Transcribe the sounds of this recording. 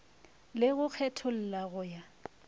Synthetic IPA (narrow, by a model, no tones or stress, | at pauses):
lɪɣʊk͡xʰɛtʰʊl̩laɣʊja